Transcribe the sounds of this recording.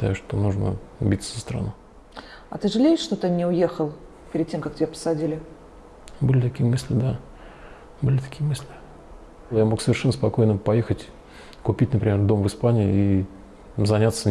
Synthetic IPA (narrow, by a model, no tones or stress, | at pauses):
t̪a̰jʊʂt̪o̞nuʐnə̰bʲit̪sːəzəst̪ɾɐ̰nu | ɐ̰t̪ɨʐɨlʲejɪʂʂt̪ot̪ɨnʲɪʊjexəlˠ | pʲɪɾʲɪd̪̚tʲemkak̚tʲɪbʲepə̥sɐdʲilʲɪ | bɨlʲɪt̪ɐkʲijəmɨsʲlʲɪd̪a | bɨlʲɪt̪ɐ̥kʲijəmɨsʲlʲɪ | jamo̞ksəvʲɪrʂɛnːəspɐko̞jnəpɐjexətʲ | kʊpʲitʲnəpɾʲɪmʲerd̪o̞mvɨspanʲɪɪi | zɐnʲat̪sːə